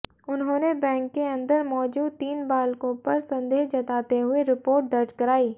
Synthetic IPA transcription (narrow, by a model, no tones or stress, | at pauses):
ʊnɦõːnebɛ̃ːŋkːeɐ̃nd̪əɾmɔːd͡ʒuːd̪̚t̪iːnbaːlkõpɐɾsɐ̃nd̪eːd͡ʒɐt̪aːt̪eɦʊeɾɪpoːɾʈ̚d̪ɐɾt͡ʃkɐɾaːiː